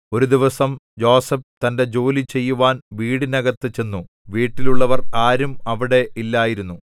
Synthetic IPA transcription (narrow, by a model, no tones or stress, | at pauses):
o̞ɾud̪iʋɐsɐmd͡ʑo̞ːsep̚t̪ɐnde̞d͡ʑo̞ːlit͡ɕe̞jːuʋaːnʋiːɽinɐɣɐt̪ːɨt͡ɕe̞nːu | ʋiːʈːiluɭːɐʋɐraːɾumɐʋiɽe̞ʔilːaːjiɾunːu